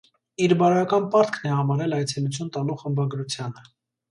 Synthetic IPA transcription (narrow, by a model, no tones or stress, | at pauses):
iɾbɑɾjɑkɑnpɑɾt̪kʰnɛhɑmɑɾɛlɑjt͡sʰɛlut͡sʰjunt̪ɑluχəmbɑɡɾut͡sʰjɑnə